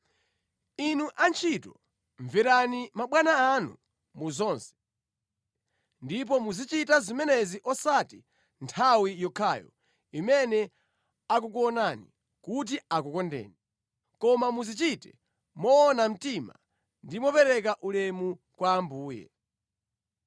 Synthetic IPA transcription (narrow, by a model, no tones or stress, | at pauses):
inuʔant͡ʃʰitɔ | ɱviɾanimaɓwanaːnṵ | muzɔːnsɛ̥ | ndip̬ɔmuzit͡ʃitazimɛnɛziʔɔsati | ntʰawijɔkʰaːjɔ̰ | imɛnɛ | ak̬ukuɔnanḭ | kut̬iakukɔndɛ̰ːni | kɔmamuzit͡ʃitɛ | mɔːnam̩tima̰ | ndimɔpɛɾɛk̬aʔulɛmu | kwaːmbuːjɛ̰